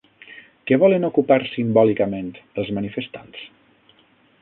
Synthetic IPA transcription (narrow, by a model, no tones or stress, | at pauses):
kɛβɔlənukupaɾsimbɔlikəmẽnt̪əlˠzmənifəst̪ans